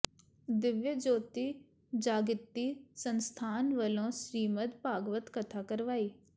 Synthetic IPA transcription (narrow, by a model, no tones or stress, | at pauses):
d̪ɪʋjəd͡ʒoːt̪i | d͡ʒaːɡɪt̪ːisənst̪ʰaːnʋəlõːsɾiːmət̪paːɡʋət̪kət̪ʰaːkəɾʋaːiː